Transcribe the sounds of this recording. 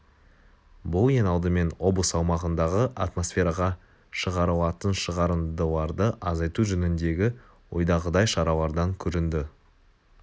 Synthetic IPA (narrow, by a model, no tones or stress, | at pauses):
bʊlˠje̞nɑlˠd̪əme̞nwo̞blˠəsɑwmɑʁənd̪ɑʁəʔat̪mo̞sfʲe̞ɾɑʁɑ | ʃəʁɑɾəlˠɑt̪ənʃəʁɑɾənd̪əlˠɑɾd̪əʔɑzɑjt̪uʒɵnɪnd̪e̞ɡʲɪ | wo̞̰jd̪ɑʁəd̪ɑjʃɑɾɑlˠɑɾd̪ɑŋkʲʰɵɾɪnd̪ɪ